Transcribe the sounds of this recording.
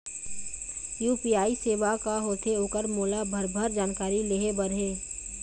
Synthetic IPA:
juːpiaːiseːʋakaɦoːt̪ʰeoːkəɾmoːlabʱəɾbʱəɾd͡ʒaːnkaːɾileɦebəɾɦeː

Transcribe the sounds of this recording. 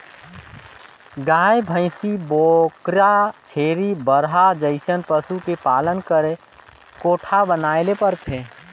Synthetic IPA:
ɡaːjbʱə̃ɪsiboːkɾat͡ʃʰeːɾibəɾɦad͡ʒəɪsənpəsukepaːlənkəɾe | koːʈʰabənaːelepəɾt̪ʰeː

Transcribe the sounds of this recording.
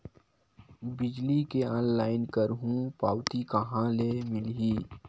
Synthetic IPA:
bɪd͡ʒlikeɔ̃ːnlaːɪnkəɾɦũpaːwt̪ikɐɦãlemɪlɦiː

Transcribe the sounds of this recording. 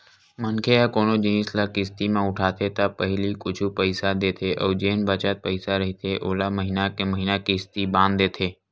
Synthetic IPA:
mənkʰeakoːnod͡ʒĩːslakɪst̪imẽʊʈʰaːt̪ʰet̪apəɦɪlikʊt͡ʃʰupəɪsad̪eːt̪ʰeʔɔːɾd͡ʒeːnbaːt͡ʃat̪̚pəɪsaɾɐɦit̪ʰeʔoːlaməɦɪnakeməɦinakiɪst̪ibãːnd̪eːt̪ʰeː

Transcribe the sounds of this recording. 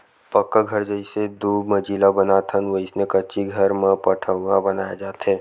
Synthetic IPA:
pəkːəɡʱɐɾd͡ʒəised̪uːmɐd͡ʒiːlabɐnat̪ʰənʋəɪsnẽkɐʃiɡʱɐɾmẽpɐʈʰəabɐnaːjad͡ʒaːt̪ɦɛː

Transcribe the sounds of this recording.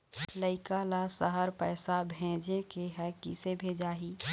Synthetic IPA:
ləɪkalasəɦəɾpɛːsabʱɛ̃ːd͡ʒekeɦɛkisebʱeːd͡ʒaːɦi

